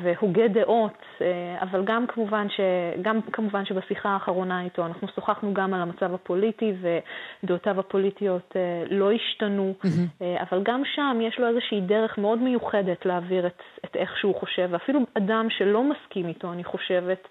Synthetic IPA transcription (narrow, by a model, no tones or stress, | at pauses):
vehoɡedeʔo̞t | ea̰valɡamkʰamuvanʃe̞ɡamkʰamuvanʃe̞basiχaːχaʁo̞naito̞anaχnusoχaχnuɡamalamat͡savapo̞litived̪otavapo̞litijo̞tʰelo̞iʃtanua̰valɡamʃamjeʃlo̞ezeʃiiːde̞ʁe̞χmeo̞dme̞juχe̞de̞tleaviʁetetʔe̞χʃeuχo̞ʃe̞vafiluadamʃe̞lo̞maskimito̞aniχo̞ʃe̞ve̞t